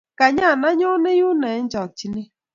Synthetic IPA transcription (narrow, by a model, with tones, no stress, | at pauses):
ka˨ɲa˦˨na˦ɲɔ˦nɪ˦ju˦nɛ˨˦n̩˦d͡ʒɔ˨k̚t͡ʃi˦ni˦